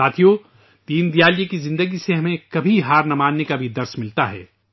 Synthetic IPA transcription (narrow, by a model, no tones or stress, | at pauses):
aːt̪ʰijo | t̪iːnd̪ijaːljekizɪ̃nd̪əɡiseɦɐmẽkɐbʱiɦaːɾnɐmaːnːekabʱid̪ɐɾsmɪlt̪aɦɛ̰ː